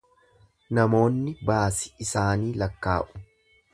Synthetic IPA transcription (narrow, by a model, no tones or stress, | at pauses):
nɐmo̞ːnːɪbaːsɪ̥ɪsaːniːlɐkːaːʔʊ̥